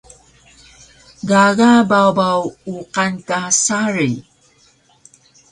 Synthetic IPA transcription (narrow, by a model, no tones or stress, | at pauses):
ɡaɣababawuqankasaɾi